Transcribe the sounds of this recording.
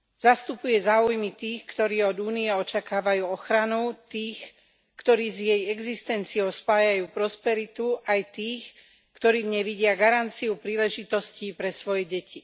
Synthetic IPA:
z̥ast̪upujɛzaːujmit̪iːxkt̪ɔɾiːɔd̪uːniɛɔt͡ʃakaːʋajuːɔxɾanut̪iːx | kt̪ɔɾiːzjɛjɛɡzist̪ɛnt͡siɔʊspaːjajuːpɾɔspɛɾit̪uʔajt̪iːx | kt̪ɔɾiːɲɛʋiɟɪaɡaɾant͡siupɾiːlɛʒit̪ɔsciːpɾɛsʋɔjɛɟɛci

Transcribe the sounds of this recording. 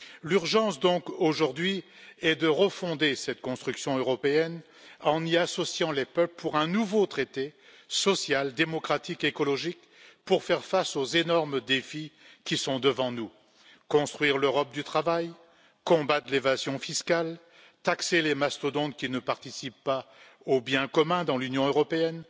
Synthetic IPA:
lyʁʒɑ̃sd̪ɔ̃koʒuʁd̪ɥi | ɛd̪əʁəfɔ̃d̪esɛt̪kɔ̃st̪χyksjɔ̃øʁɔpeɛn | ɑ̃niasɔsjɑ̃lepœpləpuʁɛ̃nuvot̪χet̪e | sɔsjald̪emɔkχat̪ikekɔlɔʒik | puʁfɛʁfasozenɔʁmd̪efikʲisɔ̃d̪əvɑ̃nu | kɔ̃st̪χɥiʁløʁɔp̚d̪yt̪χavaj | kɔ̃bat̪levazjɔ̃fiskal | t̪akselemast̪od̪ɔ̃d̪kʲinəpaʁt̪isipːa | objɛ̃kɔmɛ̃d̪ɑ̃lynjɔ̃øʁɔpeɛn

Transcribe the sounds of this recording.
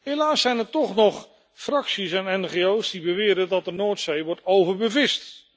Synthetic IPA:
ɦejlaːsɛjnɛɹtɔχnɔχ | frɑksisɛnɛnχejowsdibəʋɪːɾədɑt̚dənoːtsejʋɔɹtowvəɹbəvɪst

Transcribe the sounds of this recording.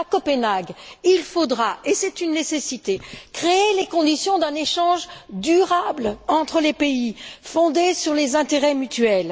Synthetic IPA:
akɔpɛnaɡilfod̪ʁaʔesɛt̪ynːesesit̪ekχeelekɔ̃d̪isjɔ̃d̪ɛ̃neʃɑ̃ʒd̪yʁablɑ̃t̪χəlepeifɔ̃d̪esyʁlezɛ̃t̪eʁɛmyt̪ɥɛl

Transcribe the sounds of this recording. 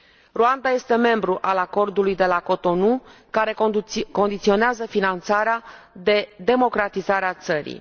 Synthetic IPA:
ruand̪aje̞st̪e̞me̞mbɾuʔalako̞rd̪ulujd̪e̞lako̞t̪o̞nukaɾe̞ko̞nd̪it̪sio̞neazəfinant̪saɾea | d̪e̞d̪e̞mo̞kɾat̪izaɾeat̪səɾḭ

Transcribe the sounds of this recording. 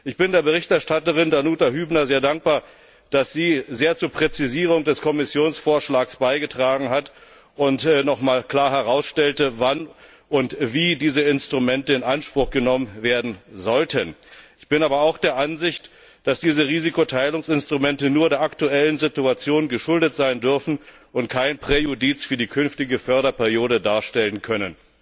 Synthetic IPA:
ʔɪçb̥ɪndeːɐbəʁɪçtɛɐʃtatəʁɪndanuːtaɦyːbnɐzeːɐdaŋk̚b̥aːɐ | d̥asz̥iːzeːɐt͡suːɐpʁ̥ɛt͡siziːʁ̞ʊŋdɛskʰɔmɪsjoːnsfoːɐʃlaːksb̥aɪɡətʁ̥aːɡŋ̩ɦat | ʔʊntnɔχmaːlkl̥aːɐɦɛʁaʊsʃtɛltəvan | ʔʊntv̥iːdiːzəɪnstʁ̥umɛntəɪnʔanʃpʁ̥ʊχɡ̥ənɔmənveːɐdn̩zɔltʰənʔɪçb̥ɪnaːbɐaʊxd̥eːɐʔanzɪçt | d̥asd̥iːzəʁiːzikotʰaɪlʊŋsɪnstʁ̥umɛntənuːɐdeːɐʔaktuɛlənzɪtuat͡sjoːnɡəʃʊldətz̥aɪndʏɐfn̩ | ʔʊntkʰaɪnpʁ̥ejodit͡sfyːɐdiːkʰʏnftɪɡəfœɐɾɐpɛʁijoːɾədaːɐʃtɛlənkʰœnən

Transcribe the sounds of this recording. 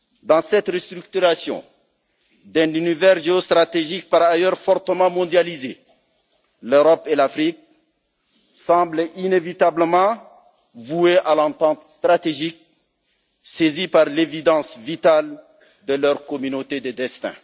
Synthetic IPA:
d̪ɑ̃sɛt̪ɾəst̪ɾyk̚t̪yʁasjɔ̰̃ | d̪ɛ̃nynivɛʁʒeost̪ʁat̪eʒik̚paʁajœʁfɔʁt̪əmɑ̃mɔ̃d̪jalize | løʁɔpelafɾik̚ | sɑ̃blinevit̪abləmɑ̃ | vueʔalɑ̃t̪ɑ̃t̪st̪ɾat̪eʒik̚ | sezipaʁlevid̪ɑ̃svit̪al | d̪əlœʁkɔmynot̪ed̪əd̪ɛst̪ɛ̰̃

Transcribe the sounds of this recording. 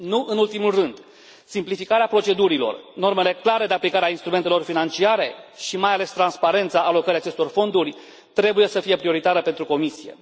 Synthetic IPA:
nuʔɨnult̪imulrɨnd̪ | simplifikaɾeapɾo̞t͡ʃe̞d̪uɾilo̞̰rno̞rme̞le̞klaɾe̞d̪e̞aplikaɾeainst̪ɾumet̪e̞lo̞rfinant͡ʃiaɾe̞ʃimajale̞st̪ɾanspaɾe̞nt̪saʔːlo̞kəɾiat͡ʃe̞st̪o̞rfo̞nd̪urʲ | t̪ɾe̞buje̞səfije̞pɾio̞ɾit̪aɾəpe̞nt̪ɾuko̞misije̞̰

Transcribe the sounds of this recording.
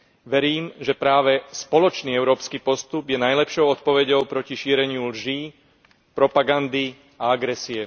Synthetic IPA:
ʋɛɾiːmʒɛpɾaːʋɛspɔlɔt͡ʃniːɛʊɾɔːpskiːpɔst̪ubjɛnajlɛpʃɔʊɔt̪̚pɔʋɛɟɔʊpɾɔciʃiːɾɛɲɪulʒiː | pɾɔpaɡand̪i | aaɡɾɛsiɛ

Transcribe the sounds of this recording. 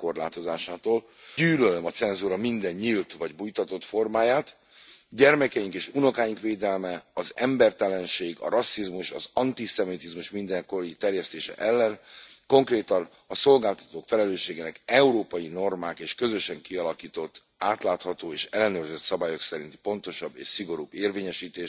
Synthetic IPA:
ko̞rla̰ːt̪o̞zaːʃaːt̪oːl | yːlølømɒt̪sɛnzuːɾɒmind̪ɛɲːiːlt̪ʋɒɟbujt̪ɒt̪o̞t̪fo̞rmaːjaːt̪ | ɟɛrmɛkɛjiŋkeːʃuno̞kaːjiŋkʋeːd̪ɛlmɛɒzɛmbɛrt̪ɛlɛnʃeːɡɒ̰ɾɒsːizmuʃɒ̰zɒnt̪isɛmit̪izmuʃmind̪ɛŋko̞ɾit̪ɛrjɛst̪eːʃɛ̰ʔɛlːɛnko̞ŋkreːt̪ɒn | ɒso̞lɡaːlt̪ɒ̥t̪oːkfɛlɛløːʃːeːɡeːnɛkɛuɾoːpɒjino̞rmaːkeːʃkø̞zøʃɛŋkiɒlɒkiːt̪o̞t̪ː | aːt̪laːt̪hɒt̪oːeːʃɛlːɛnøːrzøt̪sɒbaːjo̞ksɛɾint̪i̥po̞nt̪o̞ʃɒbːḛːʃsiɡo̞ɾubːeːrveːɲɛʃiːt̪eːʃ

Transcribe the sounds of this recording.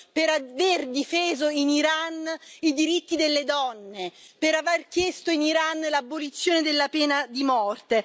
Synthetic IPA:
peɾaverd̪ifeːzoiniɾanid̪iɾit̪ːid̪elːed̪ɔnːepeɾaverkjɛst̪oiniɾanlabːolit̪sːjoːned̪elːapɛːnad̪imɔrt̪e

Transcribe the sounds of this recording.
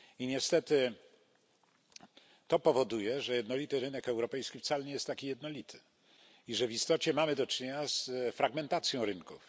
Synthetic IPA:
iɲɛst̪ɛt̪ɘ | t̪ɔpɔvɔd̪ujɛʐɛjɛd̪nɔlʲit̪ɘɾɘnɛkɛwɾɔpɛjskʲift̪salɛɲɛjɛst̪ːakʲijɛd̪nɔlʲit̪ʰɘ̥ | iʐɛvist̪ɔt͡ɕɛmamɘd̪ɔt͡ʂɲeɲasfɾaɡmɛnt̪at̪sʲjɔ̃w̃ɾɘnkuf

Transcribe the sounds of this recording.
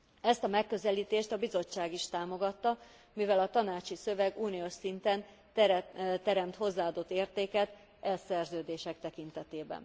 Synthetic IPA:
ɛst̪ɒmɛkːø̞zɛliːt̪eːʃt̪ɒbizo̞t͡ʃːaːɡiʃt̪aːmo̞ɡɒt̪ːɒ | mivɛlɒt̪ɒnaːt͡ʃisø̞vɛɡuːnioʃsint̪ɛn | t̪ɛɾɛmt̪ho̞zːaːɒːd̪o̞t̪ːeːrt̪eːkɛt̪ | ʔɛlsɛrzøːd̪eːʃɛk̚t̪ɛkint̪ɛt̪eːbɛ̰n

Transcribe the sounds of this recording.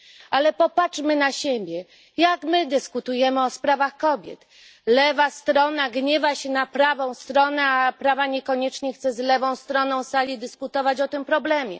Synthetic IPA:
ʔalɛpɔpat͡ʂmɘnaɕebʲjɛ | jakmɘd̪ɘskut̪ujɛmɘɔspɾavaxkɔbʲjɛ̰t̪ | lɛvast̪ɾɔnaɡɲɛvaɕɛnapɾavɔ̃w̃st̪ɾɔnɛapɾavaɲɛkɔɲɛt͡ʂɲɛxt̪sɛzlɛvɔ̃w̃st̪ɾɔnɔ̃w̃salʲid̪ɘskut̪ɔvat͡ɕɔt̪ɘmpɾɔblɛmʲjɛ̰

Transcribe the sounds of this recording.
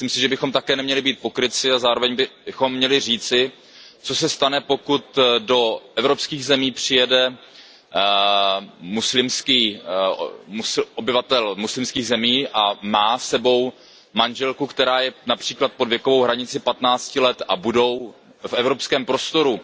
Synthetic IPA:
mɪslimsɪʒɛbɪxomt̪akɛːnɛmɲɛlɪbiːt̪̚po̞kɾɪt͡sɪazaːɾo̞vɛɲbɪxo̞mːɲɛlɪr̝iːt͡sɪ | t͡so̞sɛst̪anɛpo̞kut̪do̞ʔɛvɾo̞pskiːɣzɛmiːpr̝̥ɪjɛdɛ | muslɪmskiː | musʔobɪvat̪ɛlmuslɪmskiːɣzɛmiːʔamaːsɛbo̞w | manʒɛlkukt̪ɛɾaːjɛnapr̥iːklat̪̚po̞dvjɛko̞vo̞wɦɾaɲɪt͡sɪpat̪naːt͡scɪlɛt̪abudo̞w | fɛvɾo̞pskɛːmpɾost̪o̞ɾu

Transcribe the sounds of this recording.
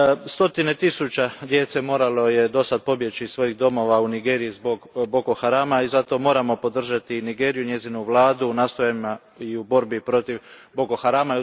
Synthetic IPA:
st̪o̞t̪ine̞t̪isut͡ɕad̪je̞t̪se̞mo̞ːɾalo̞je̞d̪o̞sad̪̚po̞bje̞t͡ɕisʋo̞jiɣd̪o̞mo̞ʋauniɡe̞ːɾijizboɡbo̞koxaɾaːmaizat̪o̞mo̞ːɾamo̞po̞d̪r̩ʒat̪iniɡe̞ːɾijunɲje̞zinuʋlˠaːd̪unaːst̪o̞jaima | iubo̞ɾbipɾo̞t̪iʋbokoxaɾaːma

